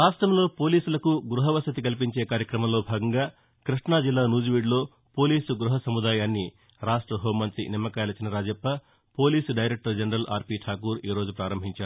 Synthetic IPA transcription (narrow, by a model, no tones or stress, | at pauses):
aːsʈɾɐmlo̞ːpo̞ːliːsulɐkuɡɾuɦɐʋɐsɐt̪ikɐlip̬iɲt͡ʃe̞ːkaːɾjɐkɾɐmɐmlo̞ːbʱaːɡɐŋɡaː | kɾiʂɳaːd͡ʒilːaːnuːd͡ʒiʋiɖlo̞ː | po̞ːliːsuɡɾuɦɐsɐmud̪aːjaːnːi | ɾaːʂʈɾɐɦoːmːɐnt̪ɾḭnimːɐkaːjlɐt͡ʃinɐɾaːd͡ʒɛpːɐ | po̞ːliːsɖɐjɾek̚ʈɐɾd͡ʒɐnɾɐlʔa̰ːɾpiːʈʰaːkuːɾiːɾo̞ːd͡ʒupɾaːɾɐmbʱiɲt͡ʃaːɾu